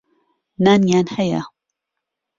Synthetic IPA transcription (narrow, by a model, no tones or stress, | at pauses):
naːnjaːnhaja̰